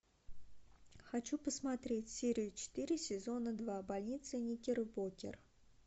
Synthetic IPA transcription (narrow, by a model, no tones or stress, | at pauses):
xat͡ɕupəsmɐt̪ɾʲetʲsʲeɾʲɪjʊt͡ɕɪ̥t̪ɨɾʲɪsʲɪzo̞nəd̪vabalʲnʲit̪sɨnʲikʲɪrbokʲɪ̰r